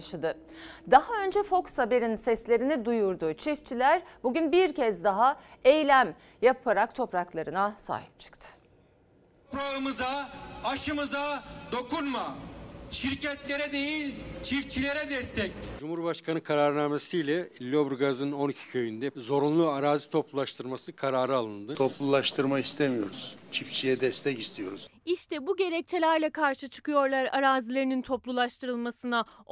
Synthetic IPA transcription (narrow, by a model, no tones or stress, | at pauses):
ʃad̪ɯ | d̪aɦaø̞nd͡ʒɛfo̞ksabe̞ɾinsɛslʲe̞ɾinid̪ujuɾd̪ʊt͡ʃʰift͡ʃʰilʲæɾbuɟynbiɾcʰɛzd̪aɦaejlʲæm | japʰaɾakt̪ʰo̞pɾaklˠaɾɯnasa̰ːɦi̥p̚t͡ʃʰɯ̥kt̪ʰɯ̥ | pɾaɯmɯzaaʃɯmɯzad̪o̞kunmaʃiɾcɛt̪lʲeɾɛd̪ejilʲt͡ʃʰift͡ʃʰilʲe̞ɾɛd̪ɛst̪ʰɛcd͡ʒumhuɾbaʃkʰanɯkʰaɾaːɾɯnaːmesijlʲɛlʲːo̞bɾɡazɯno̞nicʰi̥cʰø̞jynd̪ɛzo̞ɾunlˠuaɾaːzit̪ʰo̞plˠulˠaʃt̪ʰɯɾmasɯkʰaɾaːɾɯalˠɯnd̪ɯt̪ʰo̞plˠulˠaʃt̪ʰɯɾmakist̪ʰemijo̞ɾuz̥t͡ʃʰift͡ʃʰijɛd̪ɛst̪ʰɛcist̪ʰijo̞ɾuz̥iʃt̪ʰɛbuɟe̞ɾɛc̚t͡ʃʰelʲæɾlʲɛkʰaɾʃɯt͡ʃʰɯ̥kɯjo̞ɾlˠaɾaɾaːzilʲe̞ɾinint̪ʰo̞plˠulˠaʃt̪ʰɯɾɯlˠmasɯna